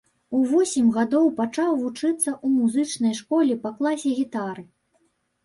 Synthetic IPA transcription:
uvɔsʲimɣad̪ɔwpat͡ʂawvut͡ʂɨt̪sːɐʔumuzɨt͡ʂnɐjʂkɔlʲipɐklˠasʲɛɣʲit̪aɾɨ

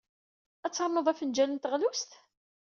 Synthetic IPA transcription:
æt͡sːəɾˤnəðˤæfənd͡ʒælənt̪əʁlust̪

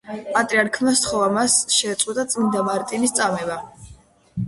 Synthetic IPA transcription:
pʼat̪ʼɾiaɾkʰmast̪χɔvamasʃɛːt̪sʼqʼit̪ʼat̪sʼind̪amaɾt̪ʼinist̪sʼamɛba

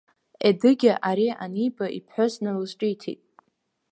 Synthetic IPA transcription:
edɨɡʲaʔaɾia̰nijbaḭpʰħosnɨlɨsʈ͡ʂʼijtʰḭtʼ

